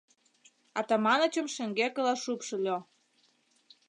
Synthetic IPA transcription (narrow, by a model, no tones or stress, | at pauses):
ɑt̪ɑmɑnə̆t͡ɕə̆mʃĕŋɡekə̆lɑʃupʃɤ̆lʲo